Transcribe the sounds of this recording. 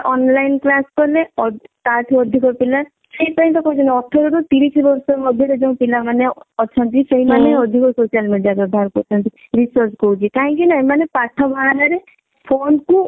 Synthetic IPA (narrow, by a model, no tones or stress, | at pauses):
ɔnlajnklaskɔleɔt̪at̪ʰiɔd̪ʱikɔpila | seĩpaɦĩt̪ɔkɔt͡ʃʰɔnɔʈʰːɔɾɔɾut̪iɾisibɔɾsɔɾmɔd̪ʱjɔɾed͡ʒẽũpilamaneɔt͡ʃʰɔnt̪̬iseɦimaneɔd̪ʱikɔsosijalmeɖijabɔbʱaɾkɔɾt͡ʃʰɔnt̪i | ɾisɔɾt͡ʃkɔut͡ʃʰikaɦɔ̃ŋkinaemanepaʈʰɔbʱaaɾaɾe | pʰonku